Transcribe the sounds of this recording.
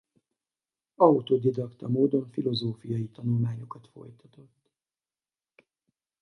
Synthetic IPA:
ɒut̪oːd̪id̪ɒkt̪ɒmoːd̪o̞ɱfilo̞zoːfijɒjit̪ɒnulmaːɲo̞kɒt̪fo̞̰jt̪ɒt̪o̞t̪ː

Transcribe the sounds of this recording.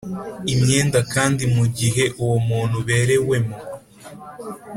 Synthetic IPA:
imɲe̞ːndakaːndimuɟiɦe̞ʔuwomuːn̥huβe̞ːɾe̞we̞mo

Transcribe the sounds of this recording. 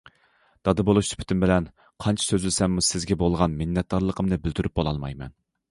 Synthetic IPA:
d̪̥ɑd̪ɨbolˠuʃy̥pʰt̪ymbɪlɛn | qʰɑnt͡ʃʰɑ̥søzlsɛmːusɪzɡʲɛbolˠʁɑnmɪnːɛt̪̚d̪ɑɾlˠəqʰəmnɨbɪlt̪yɾʔyp̚bolˠɑlˠmɑ̰jmɛ̰n

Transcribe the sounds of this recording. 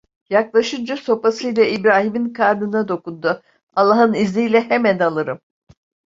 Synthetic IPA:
jaklˠaʃɯnd͡ʒaso̞pasɯjlʲɛibɾaːɦiminkʰaɾd̪ɯnad̪o̞kund̪ʊ | alˠːaɦɯnizlʲijlʲɛhemænalˠɯɾɯm

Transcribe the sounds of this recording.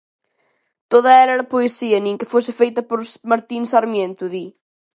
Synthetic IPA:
t̪oðɐɛlɛɾɐpoesiɐnẽŋkɪfosɪfejt̪ɐpoɾsmaɾt̪insaɾmjẽnt̪uði

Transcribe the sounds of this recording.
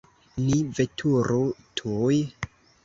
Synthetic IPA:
nivetʰuɾotʰuj

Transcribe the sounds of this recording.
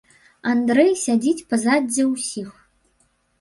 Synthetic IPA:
and̪ɾɛjsʲad͡zʲit͡sʲpɐzadʲɛwsʲix

